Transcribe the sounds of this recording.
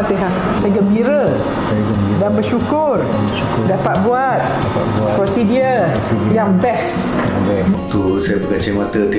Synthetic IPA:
p̪eɦaʔ | sajaɡəmbiɾə | sajɡəidanbəʃukʊr | əu | dapat̪̚buat̪̚dapat̪̚buakɔnsidiəl | jaŋbɛs | abɛt̪usajapəkət͡ʃimat̪ət̪i

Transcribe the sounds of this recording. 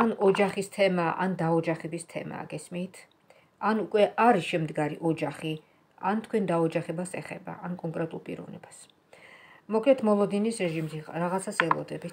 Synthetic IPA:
anɔd͡ʒaχist̪ʰɛmaʔa̰nd̪aɔd͡ʒaχɛbist̪ʰɛ̰ma̰ɡɛsmit̪ʰ | anukʼwɛʔaɾiʃɛmd̪ɡaɾiʔɔd͡ʒaχi | ant̪ʰkʰwɛnd̪aɔd͡ʒaχɛbasɛχɛ̰ba̰ʔankʼɔŋkʼɾɛt̪ʼulˠpʼḭɾɔ̰vnɛ̰bas | mɔkʰlɛt̪ʰmɔlˠɔd̪inisɾɛʒimziɾaʁat̪sʰasɛlˠɔ̰d̪ɛbi

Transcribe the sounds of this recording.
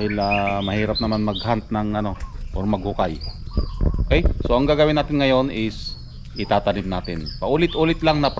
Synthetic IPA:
hɪlamɐhiːɾap̚nɐmanmɐɡ̚hant̪̚nɐŋɐno̞ʔoɾmɐɡ̚hʊkaj | okɛjso̞ʔɐŋɡaːɡawɪnaːt̪ɪnŋɐjo̞nɪs | ʔɪt̪aːt̪ɐnɪmnaːt̪ɪnpɐʔuːlɪt̪ʔuːlɪt̪laŋnɐp

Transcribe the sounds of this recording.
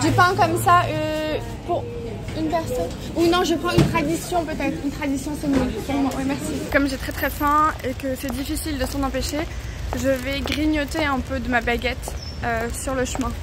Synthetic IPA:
ʒepɑ̃kɔmsaø | puʁ | ynpɛʁsɔn | unɔ̃ʒəpχɑ̃ynt̪χad̪isjɔ̃pøt̪ɛt̪χynt̪χad̪isjɔ̃səmivpuʁmwawɛmɛʁsikɔmʒet̪χɛt̪χɛfɛ̃ekəsɛd̪ifisild̪əsɑ̃nɑ̃peʃe | ʒəvɛɡʁiɲɔt̪eɛ̃pød̪əmabaɡʲɛt̪ | øsyʁləʃəmɛ̃

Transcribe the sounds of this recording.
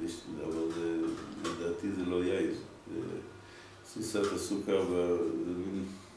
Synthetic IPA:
iʃtia̰valzeled̪aːt̪izelojaiz | zḛ | sisat̪asukabazemin

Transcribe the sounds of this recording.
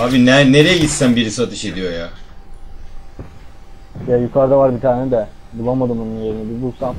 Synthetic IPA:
abinɛneɾejeisːænbiɾisiat̪ʰɯʃe̞d̪ijo̞ja | jajukʰaɾd̪avaɾbit̪ʰaːnɛd̪ɛ | bulˠamad̪ɯmununje̞ɾinɛbibusan

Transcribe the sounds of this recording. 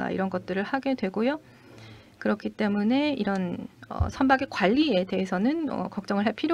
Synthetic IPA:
a̰ḭɾʌnɡʌt̚t͈ɯɾɯɭhaɡe̞dwe̞ɡojo | kɯɾʌkʰit͈e̞mune̞iɾʌnʌ̰sʰambaɡek͈waʎːie̞de̞ɦesʰʌnɯnʌ̰kʌk̚t͡ɕ͈ʌŋɯɭɦepʰiɾjo

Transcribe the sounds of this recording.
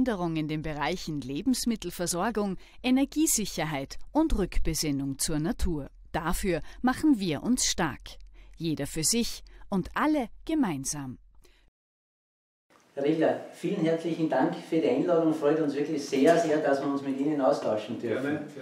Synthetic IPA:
ndəʁʊŋɪndeːnbəʁaɪçn̩leːbm̩smɪtl̩fɛɐzɔɐɡʊŋ | ʔenɛɐɡiːzɪçɐɦaɪtʊntʁʏkb̥əzɪnʊŋt͡suːɐnatʰuːɐ | d̥afyːɐmaχn̩viːɐʔʊnsʃtaɐkjeːdɐfyːɐzɪçʔʊntʔaləɡ̥əmaɪnzaːm | hɛʁɪçɐfiːlənɦɛɐt͡slɪçn̩daŋkfyːɐdiãɪnlɑːdʊŋfʁɔʏtʊ̃nsv̥ɪɐklɪçseːɐseːɐdasviːɐʊnsmɪtiːnənaʊstʰaʊʃn̩d̥ʏɐfn̩

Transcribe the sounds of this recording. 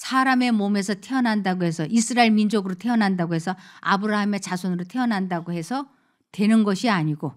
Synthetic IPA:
sʰaɾame̞mome̞sʰʌtʰe̞ʌnɦandaɡoɦe̞sʰʌʔisʰɯɾaeɭmind͡ʑoɡɯɾotʰe̞ʌnɦandaɡoɦe̞sʰʌabɯɾaɦɯme̞t͡ɕasʰonɯɾotʰe̞ʌnɦandaɡoɦe̞sʰʌ | twe̞nɯnɡʌɕʰiaɲiɡo

